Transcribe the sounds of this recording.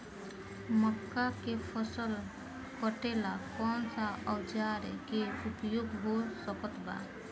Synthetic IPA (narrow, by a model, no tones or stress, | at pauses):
məkːakepʰəsəl | kəʈelakɔnsaʔɔwd͡ʒaɾḛkeupjoɡɦosəkət̪ba̰